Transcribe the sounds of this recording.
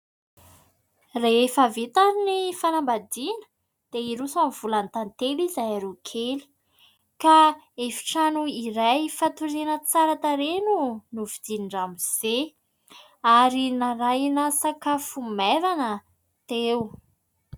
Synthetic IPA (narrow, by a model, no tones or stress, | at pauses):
reefavet̪aɾinifanambad̪inə̥ | d̪̥eiɾusamiv̥ulant̪ant̪elizajaɾukʰeli̥ | ka | efi̥ʈ͡ʂanuiɾajfat̪uɾinət͡saɾat̪aɾenunuvid̪iniɳɖ͡ʐamiz̥e | aɾinaɾajnasakafumevanə | t̪ew